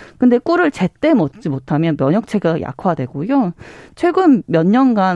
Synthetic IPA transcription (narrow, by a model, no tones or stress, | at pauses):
kɯnde̞k͈uɾɯɭt͡ɕe̞t͈e̞mʌt͡ɕ͈imotʰamjʌnmjʌɲʌk̚t͡ɕʰeɡajʔa̰kʰwadwe̞ɡ̥ojot͡ɕʰwe̞ɡɯmːjʌnɲʌnɡa